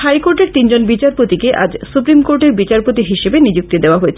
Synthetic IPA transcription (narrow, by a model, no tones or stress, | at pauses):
hajkoɾʈeɾt̪ind͡ʑonbit͡ɕaɾpot̪ikeʔa̰d͡ʑsupɾimkoɾʈeɾbit͡ɕaɾpot̪iɦiʃebenid͡ʑuk̚t̪id̪eoaɦoet͡ɕʰ